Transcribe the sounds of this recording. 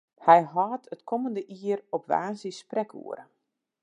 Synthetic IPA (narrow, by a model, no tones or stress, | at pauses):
hɛjɦɑːtʰətkʰɔməndəʔiərɔpʋa̰ːnzisprɛkʰṵəɾə̰